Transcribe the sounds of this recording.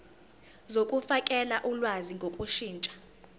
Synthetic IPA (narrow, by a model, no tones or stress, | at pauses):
zokʼufakʼɛlaʔulwaziŋɡʱokʼuʃiːnt͡ʃʼḁ